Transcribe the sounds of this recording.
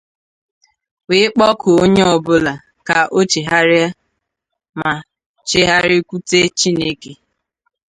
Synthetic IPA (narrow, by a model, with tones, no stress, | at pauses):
wɪ˦ɪ˦k͡pɔ˦kʰʊ˨o˦ɲe˦ɔ˨bʊ˦la˨ | ka˨ʔo˦t͡ʃe˨ɦa˦ɾɪ˦a˦ | ma˨ | t͡ʃe˦ɦa˦ɾɪ˦kʷu˦te˦t͡ʃi˦ne˦ke˦